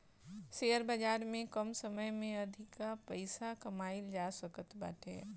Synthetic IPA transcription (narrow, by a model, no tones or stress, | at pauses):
seːəɾbəd͡ʒaːɾmẽkəmsəməjmẽɐd̪ʱɪkapəɪsakəmaːɪld͡ʒaːsəkət̪ba̰ːʈḛː